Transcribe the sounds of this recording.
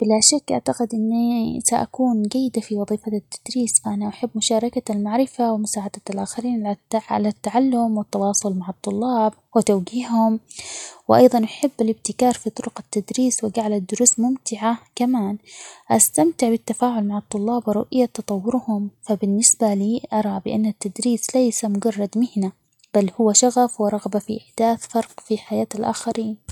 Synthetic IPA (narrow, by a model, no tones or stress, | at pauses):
b̥ɪlaʃakːʔa̰ʕt̪aqɪd̪ʔɪnːisaʔa̰kuːnd͡ʒajːɪd̪afiwɑðˤiːfat̪ːḁd̪̥ɾiːsfaʔanaʔaħabːmʊʃɑːɾˤɑkalmaʕɾɪfawɪmʊsaːʕad̪alʔaːxaɾiːnʕa̰lat̪ːaʕalːʊmwɪt̪ːɑwɑːsˤʊlmaʕɑt̪ˤːʊlːɑːb̚ | wɪt̪awɡiːhhʊmwʔɑ̰jðˤɑnʔaħabːalɪb̚t̪ɪkɑːɾˤfit̪ˤʊɾʊqat̪ːad̪ɾiːswɪɡaʕlad̪ːʊɾuːsmʊmt̪ɪʕakamaːnʔast̪amt̪ɪʕbɪt̪ːafaːʕʊlmaʕɑt̪ˤːʊlːɑːbwɪɾʊ̰ʔɪjːat̪ːɑt̪ˤɑwːʊɾhʊmfabɪnːɪsbaliːʔɑɾˤɑbɪʔanːat̪ːad̪ɾiːslajsamʊɡɑrˤːɑd̪mɪhna | b̥alːhʊwːaʃaɣafwɪɾˤɑɣbafiʔɪħd̪̥aːθfɑɾˤqfiħajaːt̪alʔa̰ːxaɾiːn